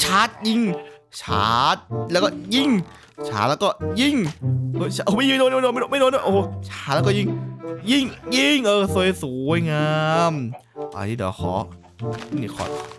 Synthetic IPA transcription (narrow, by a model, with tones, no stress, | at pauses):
t͡ɕʰaː˦˥t̪̚ji˧ŋt͡ɕʰa̰ː˦t̪̚lɛː˦˥wkɔː˥˩ji˥˩ŋ | t͡ɕʰa̰ː˦˩t̪̚lɛː˦˥wkɔː˥˩ji˥˩ŋo˧t͡ɕʰa˧ʔoː˧˦ma˥˨ji˧˥ŋ˨oː˧noː˧noː˧˨ma˥˧˦ma˥˩˨noː˧˦nɔ˧˥˩ʔoː˧˩˦t͡ɕʰaː˧˦˥t̪̚lɛː˦˧˥wkɔ˥˩ji˥˩ŋji˥˩ŋji˥˩ŋʔɤː˧˩so˧jsuː˨˦wa˧jŋaː˧m | ʔa̰˧˩niː˧˩d̪ɛ̰˨˩xʰɔ̰ː˨˦ | i˧˩ni˧˩kʰɔ̰˧˩t̪̚